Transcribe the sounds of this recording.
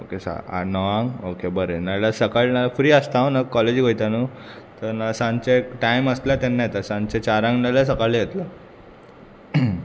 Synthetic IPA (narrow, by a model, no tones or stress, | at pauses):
okesa̰a̰nəʋãŋɡokebəɾenalasəkaɭnalafɾiːəst̪aʋnakːɔled͡ʑɡəjt̪anuːt̪əɾnasãnt͡ɕekʈajməslat̪enːajet̪asãnt͡ɕet͡ɕaɾãŋɡnalasəkaɭijet̪lə